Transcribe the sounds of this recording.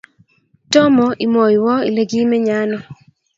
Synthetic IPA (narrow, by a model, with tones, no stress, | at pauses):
tɔ˦mɔ˨ʔi˨mɔ˨jwɔ˦i˨le˨ɡi˦mɛ˦ɲa˦nɔ˨